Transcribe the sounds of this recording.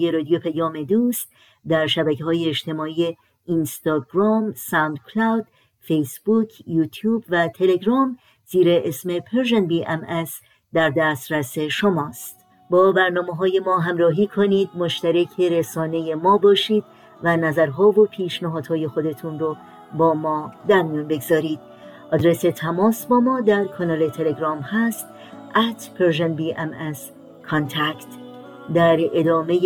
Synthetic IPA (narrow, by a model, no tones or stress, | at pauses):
jeɾɒːd̪ijopʰæjɒːme̞d̪uːst̪ | d̪æɾʃæbæceɦɒːjeːʃt̪ʰe̞mɒːiːe | inst̪ɒːɡɾɒːmsæwnd̪̚kʰlawd̪̥ | fejsbuːcʰjuːt̪ʰjuːbvæt̪ʰe̞le̞ɡɾɒːm | z̥iːɾeʔesmepʰeɾʒenbiːʔemes | d̪æɾd̪æst̪ɾæse̞ʃo̞mɒːst̪ | bɒːbæɾnɒːmeɦɒːje̞mɒːɦæmɾɒːɦiːkʰoniːd̪̚moʃt̪æɾæcʰe̞ɾesɒːne̞je̞mɒːbɒːʃiːd̪̚ | vænæzæɾɦɒːvopʰiːʃnæɦɒːd̪̥hɒːje̞xo̞d̪e̞t̪ʰunɾo | bɒːmɒːd̪æɾmijuːnbe̞ɡzɒːɾiːd̪̥̚ | ʔɒːd̪ɾe̞se̞t̪ʰæmɒːsbɒːmɒːd̪æɾkʰɒnɒle̞t̪ʰe̞le̞ɡɾɒːmhæst̪ | æt̪ʰveɾʒenbiːʔemes | kʰont̪ʰækt̪ | d̪æɾe̞d̪ɒːme̞j